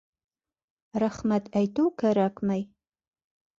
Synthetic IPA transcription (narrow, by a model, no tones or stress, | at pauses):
raχmatʰajtʰowkʰɐɾakmaj